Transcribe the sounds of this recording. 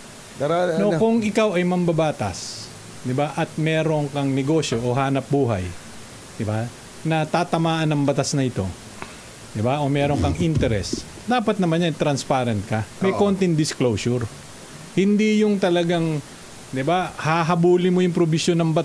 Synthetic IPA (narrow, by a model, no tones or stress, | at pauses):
nokʊŋʔɪkawɐjmɐmbɐbaːt̪ɐ̰s | d̪ɪbaʔɐt̪̚mɛːɾoŋkɐŋnɛɡo̞ːʃjo̞ʔoɦaːnɐp̚buːɦɐ̰j | d̪̥ɪba | nɐt̪aːt̪ɐmaːʔɐnɐŋbɐt̪asnɐʔɪt̪o̞̰ | d̪ɪbaʔomɛːɾoŋkɐŋʔɪnt̪ɛɾɛ̰s | d̪aːpɐt̪̚nɐmanːajt̪ɾɐnspaːɾɛnt̪̚kɐmɐjkont̪ɪŋd̪ɪsklowsʊɾ | hɪnd̪ijʊŋt̪ɐlɐɡaŋ | d̪ɪbahaɦɐbuːlɪmojʊŋpɾobɪsjonːɐŋbɐt̪